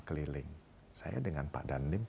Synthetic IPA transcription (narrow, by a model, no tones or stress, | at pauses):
kəlilɪŋ | sa̰ja̰dəŋanpa̰ʔdanɪm